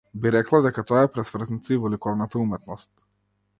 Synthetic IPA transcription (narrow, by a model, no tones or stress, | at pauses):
biɾɛklˠad̪ɛkat̪ɔaɛpɾɛsvr̩znit̪siivɔlikɔvnat̪aumɛt̪nɔst̪̚